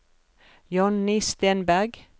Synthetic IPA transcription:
jɑnniːst̪eːnbæʁɡ

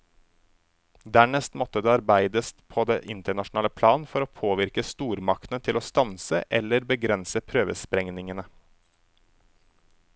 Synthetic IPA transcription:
d̪æːɳɛst̪mɔt̪əd̪eːɑɾbæɪd̪əst̪pʰoːd̪eːʔɪnt̪əɳɑʃʊn̩ɑːləpʰlɑːnfɔɾoːpʰoːʋɪɾkəst̪uːɾmɑkt̪n̩ət̪ʰɪloːst̪ɑnsəʔɛləɾbəɡɾɛnsəpʰɾøːʋəspɾɛŋnɪŋənə

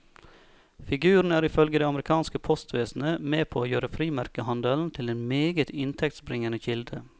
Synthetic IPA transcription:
fɪɡʉːɾɳn̩æːɾɪfœlɡəd̪ɛːɑmɾɪkʰɑːnskəpʰɔst̪ʰʋeːsn̩əmeːpʰoːoːjøːɾəfɾiːmæɾkəhɑnd̪əln̩t̪ʰɪleːnmeːɡət̪ʰɪnt̪ʰɛk̚t̪sbɾɪŋənəçɪld̪ə

